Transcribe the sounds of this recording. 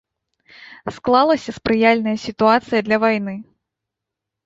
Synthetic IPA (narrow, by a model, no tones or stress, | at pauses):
sklˠalˠɐsʲɐspɾɨjalʲnɐjɐsʲit̪uat̪sɨjɐd̪lʲɐvajnɨ